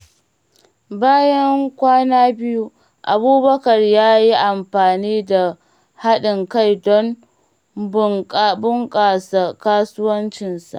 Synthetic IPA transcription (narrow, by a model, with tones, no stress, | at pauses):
baː˦jɐ˦ŋkʷaː˦naː˦bɪ˦ju˦ | ʔa˨buː˦bɐ˦kɐ˨rjaː˦ji˦ʔa˨mɸaː˨niː˦da˨ | ha˦ɗɪ˨ŋka˦˨jdɔ˦m | bʊ˦ŋkʼa˨bʊ˦ŋkʼaː˨sa˦˨kaː˦sʊ˦wɐ˦nt͡ʃɪ˨nsa̰˨ʔ